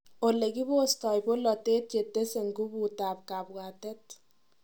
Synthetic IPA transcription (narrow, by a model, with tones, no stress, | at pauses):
o˨le˨ki˦bo˦sta˨jbo˦lɔ˨te˦t̚t͡ʃe˨tːe˦se˨ŋɡu˦bu˨taː˨p̚ka˨bɣaː˨tɛ˦t̚